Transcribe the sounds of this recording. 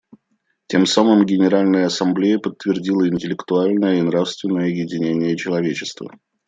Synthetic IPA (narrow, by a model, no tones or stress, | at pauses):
tʲe̞msamɨmɡʲɪnʲɪɾalʲnəjəɐsɐmblʲejəpət̪ːvʲɪrdʲilˠəɪnʲtʲɪlʲɪkt̪ʊalʲnəjəinɾafst̪vʲɪnːəjəjɪdʲɪnʲenʲɪjət͡ɕɪlˠɐvʲet͡ɕɪst̪və̰